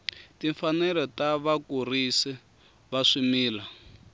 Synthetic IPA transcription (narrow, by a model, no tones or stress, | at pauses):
tiɱfanɛlɔtaβakurisi | βaʂimiːla